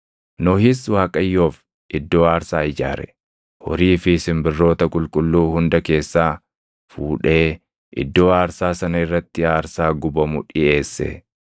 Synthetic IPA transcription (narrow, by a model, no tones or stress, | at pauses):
nɔhɪswaːkʼɐjːo̞ːf | ʔɪd̪ːo̞ːaːɾsaːɪd͡ʒa̰ːɾɛ̰ | hɔ̰ɾiːfɪsɪmbɪrːo̞ːt̪ɐkʼʊlkʼʊlːuːhʊnd̪ɐke̞ːsːaː | fuːᶑe̞ː | ʔɪ̰d̪ːo̞ːaːɾsaːsɐnɐɪrːɐt̪ːɪaːɾsaːɡʊbɐmʊᶑɪe̞ːsːɛ̰